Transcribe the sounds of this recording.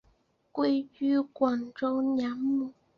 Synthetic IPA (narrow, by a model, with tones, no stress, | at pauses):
kwe˥ɪt͡ɕy˥kwɑ˨˩ŋʈ͡ʂo˥ʊnja˧˥˦ŋmu˨˩˦